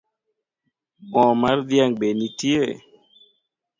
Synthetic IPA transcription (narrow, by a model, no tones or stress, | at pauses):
bɔ̃maɾd̪jaŋɓenitie